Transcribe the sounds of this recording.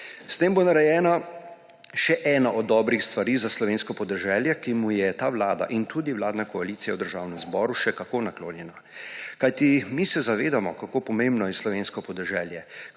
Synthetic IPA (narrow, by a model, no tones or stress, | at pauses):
st̪eːmbonaɾɛjɛːna | ʃɛʔɛːnaʔɔd̪ːɔbɾixst̪ʋaɾizaslɔʋeːnskɔpɔd̪ɛʒɛːljɛkimujɛt̪aːwlaːd̪a̰ʔint̪ud̪iwlaːd̪nakɔaliːt̪sijawd̪əɾʒaːwnɛmzbɔːɾuʃɛkakoːnakloːnjɛna | kajt̪imisɛzaʋeːd̪amɔkakoːpɔmẽmbnɔjɛslɔʋenskɔpɔd̪ɛʒɛːljɛ